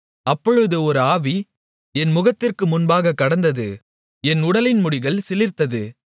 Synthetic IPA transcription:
ɐpːɔɻɯðɯɔɾɯaːʋi | ɛnmʊɣɐt̪ːɪrkɯmʊnbaːɣɐkːɐɽɐnd̪ɐðɯ | ɛnʊɽɐlɪnmʊɽɪɣɐɭsɪlɪɾt̪ɐðɯ

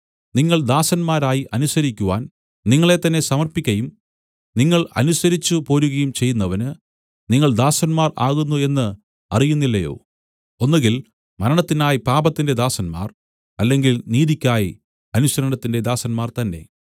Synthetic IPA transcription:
niŋːɐɭd̪aːsɐnmaːɾaːjiʔɐnusɐɾikʲːuʋa̰ːn | niŋːɐɭe̞t̪ːɐnːe̞sɐmɐrpikʲːɐjum | niŋːɐɭɐ̰nusɐɾit͡ɕːupo̞ːɾuɣɐjumt͡ɕe̞jːunːɐʋɐnɨ | niŋːɐɭd̪aːsɐnmaːra̰ːɣunːue̞nːɨ | ɐrijunːilːɐjo̞̰ː | onːuɣɡil | mɐɾɐɳɐt̪ːinaːjipaːbɐt̪ːinde̞d̪aːsɐnma̰ːr | ɐlːe̞ŋɡilniːðikʲːaːji | ɐnusɐɾɐɳɐt̪ːinde̞d̪aːsɐnmaːrt̪ɐnːe̞̰

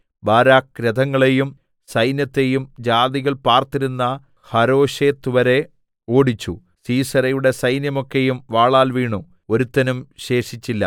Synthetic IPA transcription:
baːɾaːkɾɐd̪ʱɐŋːɐɭe̞jum | sɐjnjɐt̪ːe̞jumd͡ʑaːd̪iɣɐɭpaːrt̪iɾunːɐ | hɐɾo̞ːɕe̞ːt̪ːuʋɐɾe̞ | o̞ːɽit͡ɕːṵ | siːsɐɾɐjuɽe̞sɐjnjɐmo̞kːe̞jumʋaːɭaːlʋiːɳu | o̞ɾut̪ːɐnumɕe̞ːʂit͡ɕːilːɐ̰

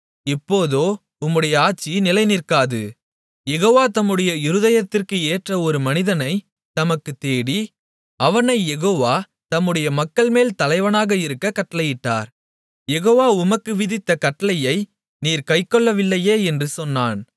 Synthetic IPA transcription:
ɪpːoːðoː | ʊmːɯɽɐjɐaːʈ̚t͡ʃːinɪlɐɪnɪrkaːðɯ̰ | jɛɣoːʋaːt̪ɐmːɯɽɐjɐɪɾɯðɐjɐt̪ːɪrkɯeːʈrɐɔɾɯmɐnɪðɐnɐɪ | t̪ɐmɐkːɯt̪eːɽi | ɐʋɐnɐɪjɛɣoːʋaː | t̪ɐmːɯɽɐjɐmɐkːɐɭmeːlt̪ɐlɐɪʋɐnaːɣɐɪɾɯkːɐkɐʈːɐlɐjɪʈːa̰ːɾ | jɛɣoːʋaːʊmɐkːɯʋɪðɪt̪ːɐkɐʈːɐlɐjɐɪ | niːɾkɐɪkːɔɭːɐʋɪlːɐjeːɛndrɯsɔnːaːn

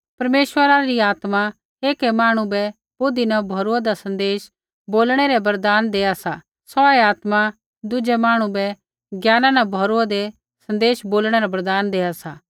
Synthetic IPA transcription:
pɐɾmeːʃwəɾaɾiaːt̪ma | eːkɛmaːɽ̃ũbɛ | bʊd̪inɐbʱɔɾuad̪asɐ̃nd̪eːʃ | boːlɽ̃ɛɾɛbɐɾd̪aːnd̪eːasa | sɔɛaːt̪ma | d̪ʊd͡ʒɛmaːɽ̃ũbɛ | ɡjaːnãnɐbʱɔɾuad̪ɛ | sɐ̃nd̪eːʃboːlɽ̃ɛɾɛbɐɾd̪aːnd̪eːasaː

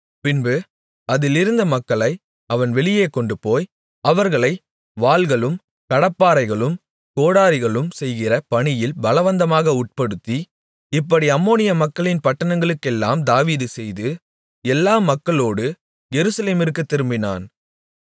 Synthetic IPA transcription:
pɪnbɯ | ɐðɪlɪɾɯnd̪ɐmɐkːɐɭɐɪ | ɐʋɐnʋɛɭɪjeːkɔɳɖɯpoːj | ɐʋɐɾɣɐɭɐɪ | ʋaːlɣɐɭɯm | kɐɽɐpːaːɾɐɪɣɐɭɯm | koːɽaːɾɪɣɐɭɯmsɛjɣɪrɐpɐɳɪjɪlbɐlɐʋɐnd̪ɐmaːɣɐʊʈ̚pɐɽɯt̪ːi | ɪpːɐɽiɐmːoːnɪjɐmɐkːɐɭɪnpɐʈːɐnɐŋɡɐɭɯkːɛlːa̰ːmd̪aːʋiːðɯsɛjðɯ | ɛlːaːmɐkːɐɭoːɽɯ | jɛɾɯsɐleːmɪrkːɯt̪ːɪɾɯmbɪna̰ːn

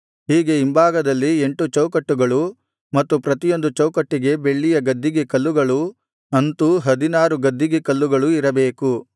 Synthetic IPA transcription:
hiːɡe̞imbaːɡɐd̪ɐlːie̞ɳʈut͡ʃɐwkɐʈːuɡɐɭu | mɐt̪ːupɾɐt̪ijo̞nd̪ut͡ʃɐwkɐʈːiɡe̞be̞ɭːijɐɡɐd̪ːiɡekɐlːuɡɐɭu | ɐnt̪uɦɐd̪inaːɾuɡɐd̪ʱːiɡekɐlːuɡɐɭuiɾɐbe̞ːku

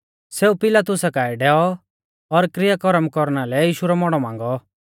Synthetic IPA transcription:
seːupɪlaːt̪ʊsakaːɛɖɛːɔ | ɔɾkɾɪjakɔɾəmkɔɾnalɛjiːʃuɾɔmɔɽ̃ɔmãːŋɡɔ

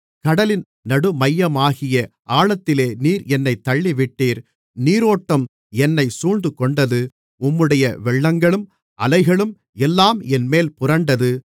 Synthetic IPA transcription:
kɐɽɐlɪn | nɐɽɯmɐjːɐmaːɣɪjɐʔaːɭɐt̪ːɪleːniːɾɛnːɐɪt̪ːɐɭːiʋɪʈːiːɾ | niːɾoːʈːɐm | ɛnːɐɪsuːd̪ɯkːɔɳɖɐðɯ | ʊmːɯɽɐjɐʋɛɭːɐŋɡɐɭɯm | ʔɐlɐɪɣɐɭɯm | ɛlːaːmɛnmeːlpʊrɐɳɖɐðɯ

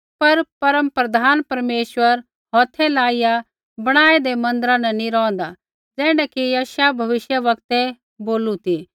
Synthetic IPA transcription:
pɐɾpɐɾəmpɾɐd̪ʱaːnpɐɾmeːʃwəɾ | ɦɔːt̪ʰːɛlaːɪja | bɐɽ̃aːed̪emɐ̃nd̪əɾãnɛnĩɾɔ̃ːnd̪a | d͡zɛːɽ̃ɛkijaːʃjabʱɐʋɪʃjəʋɐɡ̚t̪ɛ | boːlut̪i

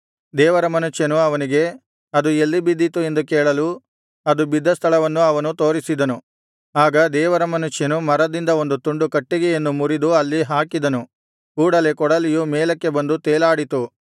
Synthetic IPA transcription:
d̪ɛːʋɐɾɐmɐnuʃjɐnuɐʋɐniɡe̞ | ɐd̪uelːibid̪ːit̪ue̞nd̪ukɛːɭɐlu | ɐd̪ubid̪ʱːɐst̪ʰɐlɐʋɐnːuɐʋɐnut̪o̞ːɾisid̪ɐnu | aːɡɐd̪ɛːʋɐɾɐmɐnuʂjɐnumɐɾɐd̪ind̪ɐo̞nd̪ut̪uɳɖukɐʈːiɡeenːumuɾid̪uɐlːiɦaːkid̪ɐnu | kuːɽɐle̞kɔɽɐlijumɛːlɐkːe̞bɐnd̪ut̪eːlaːɽit̪u

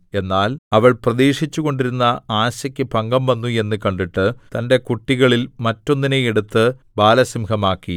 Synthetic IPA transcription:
e̞nːaːlɐʋɐɭprɐðeːʂit͡ɕːuɣo̞ɳɖiɾunːɐaːɕɐkʲːɨpɐŋɡɐmʋɐnːue̞nːɨkɐɳɖiʈːɨt̪ɐnde̞kuʈːiɣɐɭilmɐtːo̞nːinejeɽut̪ːɨbaːlɐsimkɐmaːkːi

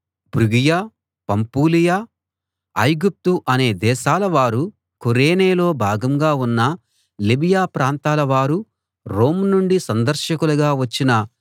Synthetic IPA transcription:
bɾuɡijaː | pɐmpuːlijaː | ɐjɡup̚t̪uʔɐne̞ːd̪ɛːʃaːlɐʋaːɾu | koɾeːneːlo̞ːbʱaːɡɐmɡaːunːɐ | libijaːpɾaːnt̪aːlɐʋaːɾu | ɾo̞ːmnuɳɖisɐnd̪ɐɾʃɐkulɐɡaːʋɐt͡ʃːinɐ

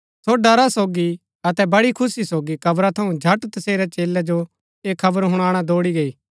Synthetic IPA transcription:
t̪ʰoɖɐɾasoːɡi | ɐt̪ɛbɐɽikʰʊsisoːɡikɐbɾat̪ʰɐũd͡ʒʱɐʈt̪ɐseːɾɛt͡ʃeːlːɛd͡ʒo | eːkʰːɐbəɾɦʊɽ̃aːɽ̃ad̪oːɽiɡɐiː

